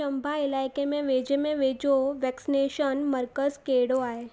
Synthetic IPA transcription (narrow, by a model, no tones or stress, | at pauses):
əmbʱaɪlaːjkemẽʋed͡ʒemẽʋed͡ʒoʋɛksineʃənməɾkəzkeɽoaːɦe